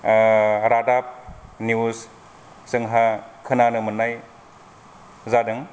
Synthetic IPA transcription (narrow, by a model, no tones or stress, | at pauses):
ɾadap̚nius | sɯŋɦakʰɯnanɯmɯnːaj | zadɯŋ